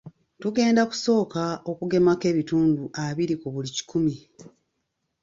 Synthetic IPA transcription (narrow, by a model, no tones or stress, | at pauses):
tuɡe̞ːndaku̥so̞ːkao̞kuɡe̞make̞βituːnduʔaβiɾikuβulici̥kʰumi